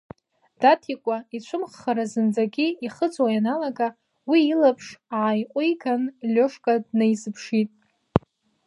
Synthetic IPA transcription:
d̥atʰikʷʼait͡ɕʷʰʊmχːaɾazɨnd͡zaɡʲiiχət͡sʼwajanalaɡa | wiːlapʰʂaʕajqʷʼʊjɡanlʲoʂkʼadnajzɨpʰʂitʼ

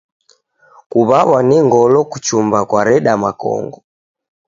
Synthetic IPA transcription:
kuβaβwanɛŋɡɔlɔkut͡ʃumbakwaɾɛɗamakɔ̰ŋɡɔ

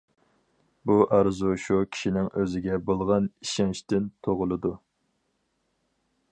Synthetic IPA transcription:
buʔɑɾzuʃukʲʰi̥ʃinɪŋʔøzɪɡʲɛbolˠʁɑniʃɛŋʃt̪ɪnt̪ʰoʁʊlˠɨd̪u

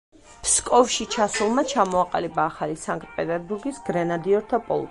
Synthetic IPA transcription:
pʰskʼɔvʃit͡ʃʰasulˠmat͡ʃʰamɔaqʼalibaːχalisaŋkʰʼt̪̚ʼpʼɛt̪ʼɛɾbuɾɡisɡ̥ɾɛnad̪iɔɾt̪ʰapʼɔ̰l̰ˠ

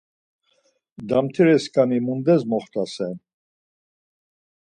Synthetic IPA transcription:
d̪amt̪ʰiɾɛskʼanimund̪ɛzmɔχt̪ʼasɛn

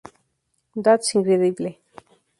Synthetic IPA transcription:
d̪asĩŋkɾeðible

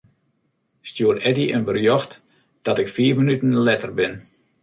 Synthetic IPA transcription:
stjuərɛdiʔənbərjɔxt | d̥ɔtɪkfiːrmənytənlɛtərbɪn

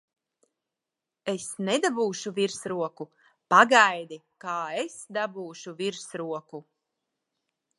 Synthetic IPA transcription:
esnɛd̪abuːʃuviɾsɾuɔku | paɡajd̪i | kaːesd̪abuːʃuviɾsɾuɔku

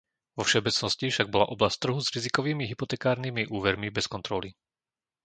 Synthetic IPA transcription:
ʋɔfʃɔbɛt͡snɔscifʃaɡ̚bɔla̰ʔɔblast̪ːr̩ɦuzɾizikɔʋiːmiɦipɔt̪ɛːkaːɾniːmiʔuːʋɛɾmibɛskɔnt̪ɾɔli

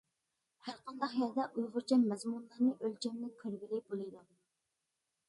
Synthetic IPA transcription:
hæɾqɑnd̪ɑχjɑld̪ɛʔujʁʊɾt͡ʃʰɛmːɛzmunlˠɑɾnɨʔølt͡ʃʰɛmd̪ɪnkʲʰøɾbɪlɪbolˠɨjd̪u

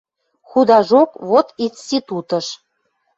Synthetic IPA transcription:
xud̪ɑʒokβot̪inst̪it̪ut̪əʃ

